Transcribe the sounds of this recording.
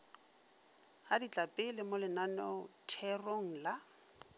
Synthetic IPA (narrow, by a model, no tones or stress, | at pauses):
hadit͡ɬʼapʼɪlɪmʊlɪnanɔtʰɛroŋ̩la